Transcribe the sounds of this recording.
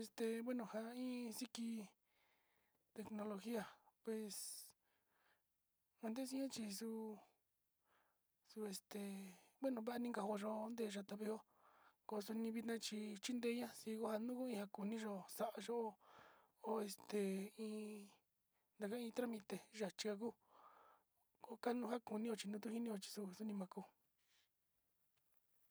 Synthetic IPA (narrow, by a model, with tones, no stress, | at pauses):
e˧st̪e˨βwe˦nũ˨ha˧ĩː˦si˦ki˧ | t̪e˧knõ˧lo˧xi˦a˧pwe˨s | ã˧nd̪e˦s̬i˦ɲã˦t͡ʃi˧su˧ | su˧e˧st̪e˨βwe˦nũ˧βa˦a˧nĩ˦ŋɡa˧ho˧ʒo˧nd̪e˦˧˨ʒa˧t̪a˧βe˧o˦ | ko˧su˧nĩ˧βi˧t̪nã˧t͡ʃi˧t͡ʃi˦nd̪e˧˦ɲã˦si˧ko˧ha˧nũ˦ku˦ĩ˧ha˧ku˨nĩ˦ʒo˧sa˧˨ʔa˧ʒo˦ʔo˧ | o˧e˧st̪e˨ĩː˧ | nd̪a˧ka˧˦˧ĩ˧t̪ɾa˦mĩ˧t̪e˧ʒa˨t͡ʃi˧ka˧k̬u˦ | ko˧ka˦nũ˧˦ɦa˦ku˨nĩ˦o˧t͡ʃi˧nũ˧t̪̬u˦hi˦nĩ˦o˧t͡ʃi̥˧su˧su˧nĩ˧mã˧ku˧